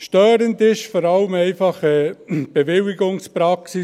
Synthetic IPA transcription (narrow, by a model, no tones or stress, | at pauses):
ʃtœːɾəndɪʃfɔɾɑləmɛɪfɑχəb̥eʋɪlɪɡʊŋspɾɑksi